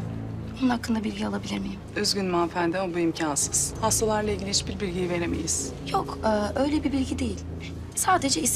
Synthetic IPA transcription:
onunhakːɯnd̪abilʲɟialˠabilʲeɾmijimøzɡɟynmaːnfænd̪ɛobuimcʰansɯz̥hast̪ʰalˠaɾlˠaiɟʲilʲiiʃbiɾbilʲɟijive̞ɾemḛjiz̥ | jokɯːʔø̞jlʲebibilʲɟid̪e̞jilʲ | saːd̪e̞d͡ʒɛis

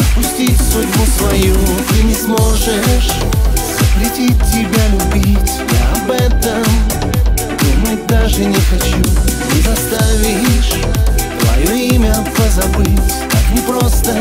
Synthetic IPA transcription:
pʊsʲtʲisudʲbʊt̪vɐjut̪ɨnʲɪsmo̞ʐɨʂ | z̥əpɾʲɪtʲitʲːɪbʲalʲʊbʲitʲja̰ɐbɛt̪əm | d̪umətʲd̪aʐɨnʲɪxɐt͡ɕunʲɪzɐst̪avʲɪʂt̪vɐ̰joimʲəpəzɐbɨtʲ | nʲɪpɾo̞st̪ə

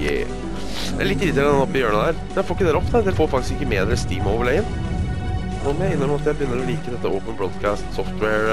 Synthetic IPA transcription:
jḛ | ɛ̰ɭɪt̪ːɾiːt̪ːəɾəɛnɔpːɪjøːɳəd̪æːɾmɛnjæfoːɾɪkːəd̪æːɾɔpːd̪ʰæɾd̪ɛlfoːɾfɑk̚t̪ɪskɪkːəmeːd̪ɛst̪iːmoːʋəɭæɪən | noːmɔjæɪɪnːəɾɔmɑt̪jæɪbəjʏnːəɾɔliːkəd̪ɛt̪ːəʔoːpənbɽɔd̪kʰæːst̪sɔft̪wɛɹ

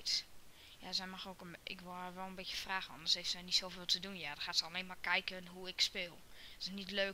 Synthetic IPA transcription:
t | ja̰sɛjmɔxoːkəɪ̰kʋoʋɛlˠənbɪtjəfraːxənɔ̰ndərseftsɛjnitsoːvɪːlˠtədunjadɔxaːtsəɔleːnmakɛjkənɦuɪkspɪːlˠɔsənitløː

